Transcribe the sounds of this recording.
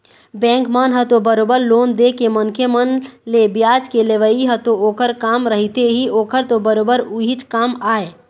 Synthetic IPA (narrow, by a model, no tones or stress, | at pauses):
bɛ̃ŋkmənɦət̪obəɾobəɾlond̪ekemənkʰemənlebjad͡ʒkeleʋəiɦət̪ooːkəɾkaːmɾəɦit̪eɦioːkəɾt̪obəɾoːbəɾuɦit͡ʃkaːmaːe